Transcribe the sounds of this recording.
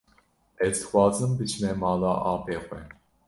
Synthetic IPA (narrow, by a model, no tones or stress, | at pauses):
ɛzd̪ɨ̥xʷwɑːzɨmbɨt͡ʃʰnɛmɑːlaːʔɑːbeːxʷɛ